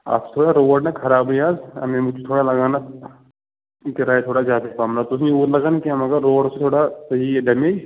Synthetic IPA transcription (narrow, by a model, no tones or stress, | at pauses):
a̰ːpt̪ʰoːɽaɾoːʋəɖnakʰɐɾaːbɦojaːzɐ̰mẽmʊut̪ʰoːɽalɐɡaːna | ɪkɾaːjit̪ʰoːɽad͡ʒaːd̪ɐkaːmlat̪os̬neuːd̪lɐɡaːnkiamɐɡəɾːoːəɽset̪ʰoːɽasɐɦiɖɐmeːd͡ʒ